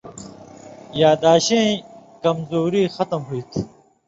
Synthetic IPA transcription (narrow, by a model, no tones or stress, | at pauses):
jaːd̪aːɕẽːkɐmzoːɾiːxɐt̪ɐmɦuit̪ʰ